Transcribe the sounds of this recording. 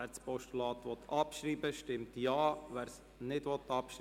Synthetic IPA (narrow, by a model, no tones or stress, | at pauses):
t͡spɔʃtulɑːt̪ʋɔt̪ːʰɑpʃɾiːbəʃtɪmtjɑːʋæːɾs | nɪdʋɔt̪ːɑpʃɾ